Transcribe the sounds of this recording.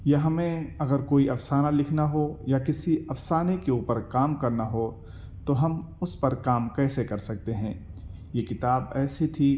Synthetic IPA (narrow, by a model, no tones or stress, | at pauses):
jɐɦɐmẽɐɡəɾkoːiʔɐfsaːnalɪkʰnaɦojakɪsiɐfsaːnekeuːpəɾkaːmkɐɾnaɦo | t̪oɦɐmʊspɐɾkaːmkɛːsekɐɾsɐk̚t̪eɦɛ̃ː | jekɪt̪aːbɛːsit̪ʰiː